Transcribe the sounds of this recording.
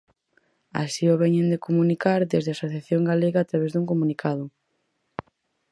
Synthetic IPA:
a̰sioβɛɲend̪ekomunikaɾðezðeasoθjaθjoŋɡaleɣaːt̪ɾaβɛzðuŋkomunikʰaðʊ

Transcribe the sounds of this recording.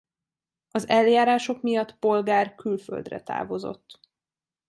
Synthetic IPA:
ɒzɛljaːɾaːʃo̞kmijɒt̪ːpo̞lɡaːrkylfø̰ld̪rɛ̰t̪a̰ːvo̞zo̞̰t̪ː

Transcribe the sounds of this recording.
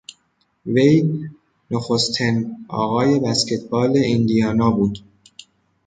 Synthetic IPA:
ve̞j | noxost̪ʰinɒ̰ːɣɒːje̞bæscʰet̪̚ʰbɒːle̞ʔind̪ijɒːnɒːbuːd̪

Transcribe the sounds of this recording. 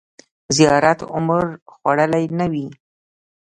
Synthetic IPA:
zijɑɾat̪ʊmɾxwaɽəlajnawi

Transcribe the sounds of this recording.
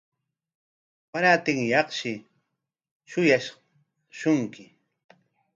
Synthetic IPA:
paɾaːt̪ɪŋjɑχʃɪ | ʃʊjaʃ | ʃʊŋkɪ

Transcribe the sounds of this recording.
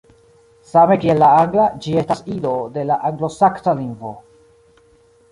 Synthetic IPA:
same̞kie̞lːaaŋɡlad͡ʒie̞stasilo̞delaʔaŋɡlo̞saktaliŋɡvo̞̰

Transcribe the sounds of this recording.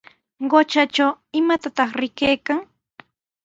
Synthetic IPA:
ɢot͡ʃat͡ʃawɪmat̪at̪ɑχɾɪkejkaŋ

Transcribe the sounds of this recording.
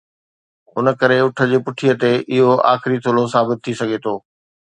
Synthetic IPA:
ʊnəkɐɾeʊʈʰə̆d͡ʑeːpʊʈʰijət̪eʔɪɦoa̰ːxɪɾit̪ʰoːlosaːbɪt̪ʰːisɐɡʱet̪ʰoː

